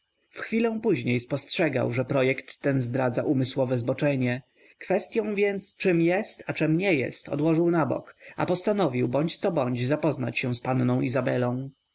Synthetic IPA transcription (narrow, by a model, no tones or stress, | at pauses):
fxfʲilɛ̃w̃puʑɲejspɔstʂɛɡa̰wʐɛpɾɔjɛkt̪ːɛnzd̪ɾad̪zaʔumɘswɔvɛzbɔt͡ʂɛɲɛ | kfɛst̪ʲjɔ̃w̃vʲjɛnt̪st͡ʂɘmjɛst̪at͡ʂɛmɲɛjɛ̰st̪ʰɔ̰d̪wɔʐɘwnabɔ̰ka̰pɔst̪anɔvʲiwbɔɲt͡ɕt̪sɔbɔɲd͡ʑzapɔzna̰t͡ɕɕɛw̃spannɔ̃w̃izabɛlɔ̃w̃